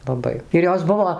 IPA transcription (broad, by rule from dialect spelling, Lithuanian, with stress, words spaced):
lˠɐˈbɐɪ ɪr ˈjoːs ˈbʊʋoː